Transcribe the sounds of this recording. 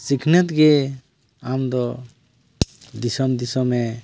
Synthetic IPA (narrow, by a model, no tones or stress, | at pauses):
sikʰnɛt̪ɡɛ | amd̪ɔ | d̪isɔmd̪isɔmɛ